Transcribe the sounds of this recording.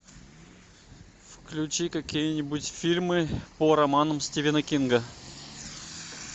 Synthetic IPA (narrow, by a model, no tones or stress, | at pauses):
fklʲʉt͡ɕikɐkʲijənʲɪbutʲfʲilʲmɨpəɾɐmanəmsʲtʲɪvʲɪnəkʲinɡə